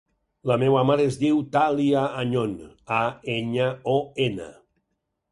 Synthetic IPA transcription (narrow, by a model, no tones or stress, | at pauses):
lamewamaɾeezd̪iwt̪aliaːɲonaeɲaoena̰